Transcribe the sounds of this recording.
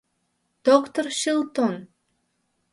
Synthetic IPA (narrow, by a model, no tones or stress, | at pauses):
d̪̥okt̪orʃilˠt̪on